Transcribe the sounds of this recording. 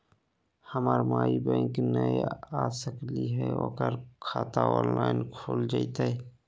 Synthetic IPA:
həmaːɾmaːibɛ̃ːŋknəaːsəkliɦɛo̰ːkəɾkʰaːt̪aɔ̰ːnlaːɪnkʰoːld͡ʒait̪ae

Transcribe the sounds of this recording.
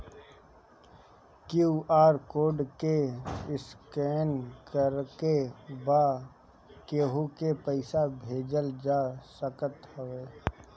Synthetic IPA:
kjuːʔaːɾkoːɖkeɪskeːnkəɾkebaː | keɦukepəɪsabʱeːd͡ʒəld͡ʒaːsəkət̪ɦəʋeː

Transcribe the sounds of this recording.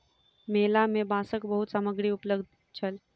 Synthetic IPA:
melamebasəkbəɦut̪saməɡɽiːupləɡd̪ʱ | t͡ɕʰəl

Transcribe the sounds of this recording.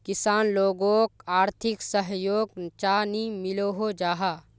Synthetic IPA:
kɪsaːnloːɡõːkaːɾt̪ʰɪksəɦjoːɡt͡ʃaːnimɪloɦod͡ʒaːɦaː

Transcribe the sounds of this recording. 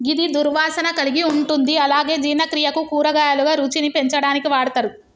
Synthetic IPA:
ɡid̪id̪uɾʋaːsɐnɐkɐliɡiuɳʈund̪iɐlaːɡe̞ːd͡ʒiːnɐkɾijɐkukuːɾɐɡaːjɐluɡaːɾuːt͡ʃinipe̞ɲt͡ʃɐɽaːnikiʋaːɽɐt̪ɐɾu

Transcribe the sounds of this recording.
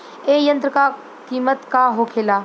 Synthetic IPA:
eːjə̃nt̪ɾəka | kiːmət̪kaːɦoːkʰeːlaː

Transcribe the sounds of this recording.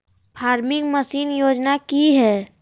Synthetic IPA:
pʰaːɾmɪ̃ŋɡməsiːnjoːd͡ʒnakiɦɛː

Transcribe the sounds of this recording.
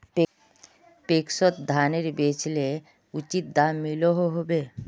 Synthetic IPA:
p | pekʃot̪d̪ʱaneɾbet͡ʃle | ut͡ʃit̪̚d̪ammiloɦoɦobe

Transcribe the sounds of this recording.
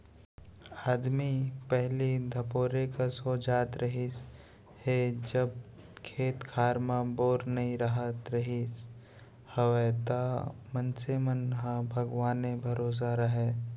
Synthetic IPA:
aːd̪mipɛɦlid̪ʱɐpoːɾekasoːd͡ʒaːt̪ɾɐɦis | hed͡ʒəb | kʰeːt̪kʰaːɾmãboːɾnɐɦĩɾəɦət̪ɾɐɦis | hɐʋet̪amə̃nsemənɦãbʱɐɡʋaːnebʱɐɾoːs̬aɾɐɦeː

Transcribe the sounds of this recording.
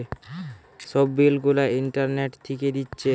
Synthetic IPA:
ʃɔbːilɡulaiɳʈaɾneʈt̪ʰiked̪itːɕʰe

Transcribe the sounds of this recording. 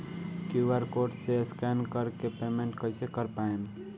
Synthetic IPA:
kjuwaɾkoʈseskɛnkəɾkepemeɳʈkəjsekəɾpaem

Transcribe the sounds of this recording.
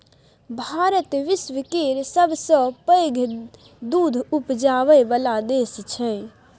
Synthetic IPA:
bʱaːɾət̪ʋɪsʋəkeɾsəbsɔ̃pəːɡʱ | d̪uːd̪ʱupd͡ʒaːʋəjbəlad̪eːst͡ʃʰɛ̃

